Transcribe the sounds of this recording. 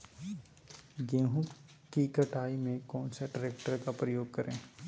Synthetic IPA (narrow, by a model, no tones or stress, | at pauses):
ɡeːɦũ | kikəʈʰaːimẽkɔːnsaɖəɾeːk̚ʈəɾkapɾəjoːɡ̚kəɾẽː